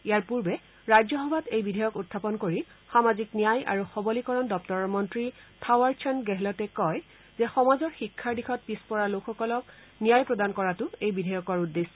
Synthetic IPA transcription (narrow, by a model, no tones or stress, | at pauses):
ijaɹpuɹbɛ | ɹajzɔɦɔbʱatejbidʱajɔkutʰːapɔnkoɹi | xamaziknijaja̰ɹuxɔbɔlikɔɹɔndɔp̚tɔɹɔɹmɔntɹipʰawaɹt͡ʃʰɔnɡɛɦlɔtɛkɔj | zɛxɔmazɔɹxikʰːaɹdixʰɔt̚pispɔɹaloxɔkɔlɔk̚ | nijajpɹɔdankɔɹatʊejbidʱajɔkɔɹudːes